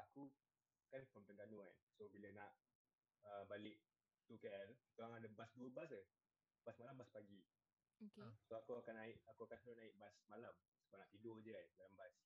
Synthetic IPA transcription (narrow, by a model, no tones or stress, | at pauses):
aku | kankɔmt̪əŋɡanuka̰nsobilənaʔ | əbalɪʔ | t̪ukɛrit̪uaŋadəbasduəbas̬ə | b̥asmalambaspaɡi | okəsoakuakanaɪʔakuakansəlʊnaɪʔbasmalam | skanaʔpidʊrd͡ʒəajnmalambas